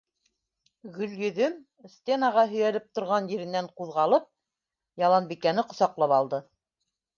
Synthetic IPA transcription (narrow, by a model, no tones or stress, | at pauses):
ɡɵ̆ljɵ̆ðɵm | st̪ʲe̞nɑʁɑɦɵ̆jælɘp̚t̪ŏɾʁɑnjɘ̆ɾɘ̆nːæɴquðʁɑlˠɤp̚ | jɑlˠɑnbikænɘqŏsɑqlˠɑpɑlˠd̪ɤ